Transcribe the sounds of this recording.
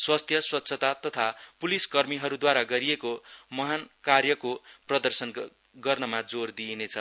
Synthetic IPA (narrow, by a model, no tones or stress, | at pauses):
swʌst̪ʰjʌswʌt̪ːsʰʌt̪at̪ʌt̪ʰapuliskʌrmiɦʌɾud̪waɾaɡʌɾijekomʌɦankarjʌkoprʌd̪ʌrsʌn | ɡʌrnʌmad͡zord̪inet͡sʰʌ